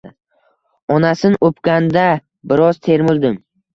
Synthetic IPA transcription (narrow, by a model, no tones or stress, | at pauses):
ɒnasɪnopkʲand̪a | bɪɾɒz̥t̪ʰe̞ɾmɪld̪ɪm